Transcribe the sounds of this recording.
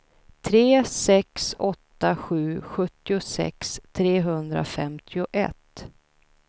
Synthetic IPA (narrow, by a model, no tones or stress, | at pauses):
t̪ʰɾeːsɛksɔt̪ːaɧʉ̟ːɧɵt̪ːɪʊsɛ̰kst̪ʰɾeːɦɵnd̪ɾa̰fɛmt̪ʰɪʊʔɛ̰t̪